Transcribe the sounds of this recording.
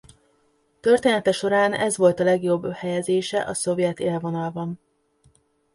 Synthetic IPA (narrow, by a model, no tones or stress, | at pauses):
t̪ø̞rt̪eːnɛt̪ɛʃo̞ɾaːnɛ̰zʋo̞lt̪ɒlɛɡjo̞bːhɛjɛzeːʃɛʔɒso̞vjɛt̪eːlvo̞nɒlbɒn